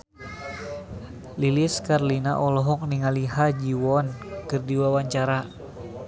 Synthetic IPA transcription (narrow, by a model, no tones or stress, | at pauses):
lilɪskarlinaʔɔlɔɦɔk̚niŋaliɦad͡ʒiwɔnkɨrdiwawaɲt͡ʃaɾa